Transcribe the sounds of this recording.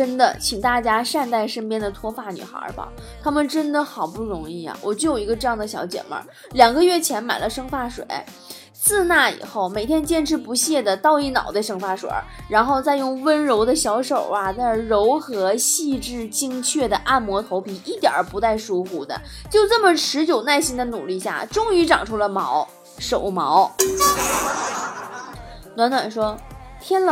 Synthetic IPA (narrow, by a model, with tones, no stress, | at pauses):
ə˥nd̪ə˨t͡ɕʰi˨˩ŋt̪a˥˩t͡ɕja˥ʂa˥˧nt̪a˥˩ɪʂə˥npjɛ˥nd̪ə˨t̪ʰwɔ˥fa˥˩ny̰˨˩xə̰˞˧˥bɐ̰˧˩ | t̪ʰa˥mə˨nʈ͡ʂə˥nd̪ə˨xɑ˨˩ʊpu˥˩ɻʊ˧˥ŋi˥˩a̰˩wʔɔ˨˩t͡ɕjo˥˩ʊjʊi˧˥ɡə˧ʈ͡ʂɤ˥˧jɑ˥˩ŋd̪ə˩ɕjɑ˧˥ʊt͡ɕjɛ̰˨˩nmə̰˧˥ | ljɑ˨˩ŋɡə˧ɥɛ˥˩t͡ɕʰjɛ˧˥nma˨˩ɪlə˦ʂɤ˥ŋfa˥˩ʂwḛ˨˩˦ɪ | sɹ̩˥˧na˥˩ḭ˨˩xo˥˩ʊme˨˩ɪt̪ʰjɛ˥nt͡ɕjɛ˥˧nʈ͡ʂʰɻ̩˥˩pu˧˥ɕjɛ˥˩d̪ə˩t̪ɑ˥˧ʊi˥˩nɑ̰˨˩ʊd̪ə˦ʂɤ˥ŋfa˥˩ʂwḛ˨˩˥ɻa˧˥nxo˥˧ʊt͡sa˥˧ɪjʊ˥˩ŋwə˥nɻo˧˥ʊd̪ə˧ɕjɑ˧˥ʊʂo˨˩ʊɐ˧t͡sɻo˧˥ʊxɤ˧˥ɕi˥˧ʈ͡ʂɻ̩˥˩t͡ɕi˥ŋt͡ɕʰɥɛ˥˩d̪ə˩ʔa˥˩nmwɔ˧˥t̪ʰo˧˥ʊpʰi˨˥˩ʔi˥˩t̪jə̰˞˨˩˥pu˧˥t͡sa˥˩ɪʂu˥xu˧˥d̪ə̰˧ | t͡ɕjo˥˧ʊt͡sɤ˥˩mə˩ʈ͡ʂʰɻ̩˧˥t͡ɕjo˨˩ʊna˥˩ɪɕi˥ŋd̪ə˧nu˨˩li˥˧ɕja̰˥˩ʈ͡ʂʊ˥ŋy˧˥ʈ͡ʂɑ˨˩ŋʈ͡ʂʰu˥lə˧mɑ˧˥ʊ | ʂo˨˩ʊmɑ˧˥ʊ | nwa˧˥nt̪wa̰˨˩nʂwɔ˥t̪ʰjɛ˥nl